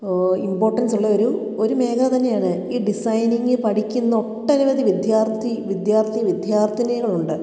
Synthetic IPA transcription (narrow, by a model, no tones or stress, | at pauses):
impo̞ːrʈːɐnsuɭːɐo̞ɾu | o̞ɾume̞ːkʰɐt̪ɐnːe̞jaːɳɨiːɖisɐjniŋɡɨpɐʈikʲːunːɐoʈːɐniʋɐd̪iʋid̪jaːrt̪ʰiʋid̪jaːrt̪ʰijʋid̪jaːrt̪ʰinɐɣɐɭuɳɖɨ